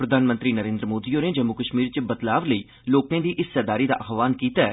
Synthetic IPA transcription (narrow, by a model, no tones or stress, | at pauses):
pɾəd̪ʱaːnmə̃nt̪ɾiːnəɾẽːnd̪ɾəmoːd̪iːoːneːd͡ʒəmukəʃmiːɾt͡ʃbət̪laːʋləiː | loːknẽːd̪iːʔɪsːəd̪aːɾiːd̪a̰ːʔaxʋaːnkiːt̪aɛ